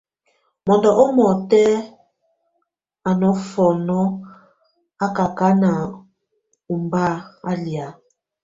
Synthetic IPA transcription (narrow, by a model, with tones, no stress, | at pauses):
mɔ˨ndɔ˨ʔɔ˦mɔ˨tɛ˦ | a˨nɔ˨˦fɔ˨nɔ˦ | a˦ka˨ka˦na˨ | u˨mba˦a˦lja˨˦